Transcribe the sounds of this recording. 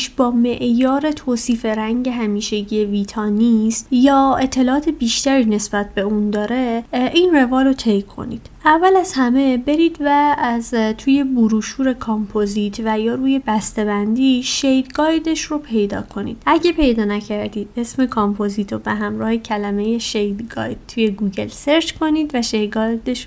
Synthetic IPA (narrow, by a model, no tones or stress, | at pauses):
ʃbɒːme̞ʔjɒːɾe̞t̪ʰoːsiːfe̞ɾæŋɟe̞ɦæmiːʃe̞ɟie̞viːt̪ʰɒːnist̪jɒːe̞t̪ʰːe̞lɒːɒːt̪ʰe̞biːʃt̪æɾiːne̞sb̥æt̪̚ʰbe̞uːnd̪ɒːɾe̞ʔiːnre̞vɒːlot̪ʰejkʰo̞̰nḭd̪̥ʔævːælæz̥hæme̞be̞ɾiːd̪væzt̪ʰuːje̞buɾuːʃuːɾe̞kʰɑmpʰozit̪ʰvæjɒːɾuːje̞bæst̪e̞bænd̪iːʃejd̪ɡɒːjd̪e̞ʃɾopʰe̞jd̪ɒ̰ːkʰo̞nḭːd̪ʔæɟepʰe̞jd̪ɒːnæcʰæɾd̪iːd̪e̞sme̞kʰompʰoziːt̪ʰobeɦæmɾɒːhe̞cʰælæme̞je̞ʃejd̪ɡɒ̰ːjd̪̚t̪ʰuje̞ɡuɡe̞̰lseɾt͡ʃkʰo̞niːd̪væʃej̪ɡɒjd̪eʃ